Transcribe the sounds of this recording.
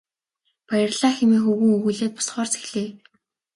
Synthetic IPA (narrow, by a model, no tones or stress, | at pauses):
pæjə̆rɮaːxemiːxuɣuːŋuɣuːɮeːt̪̚pʊ̥sχɔːrt͡sʰe̥xɮeː